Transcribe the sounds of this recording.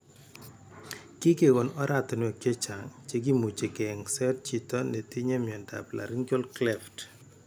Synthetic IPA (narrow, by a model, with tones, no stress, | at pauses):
kɪ˦ke˨ɡɔ˨nɔ˦ɾa˨tɔ˨nwɔ˨kje˦t͡ʃa˨ŋt͡ʃe˦ɡ̬i˦mu˨t͡ʃe˨kɛ˨ŋsɛ˦t̚t͡ʃi˨tɔ˦ne˨ti˦ɲe˦mjɔ˨nda̰˨pla̰˨ɾi˦ŋkjo˦lklɛ˦ft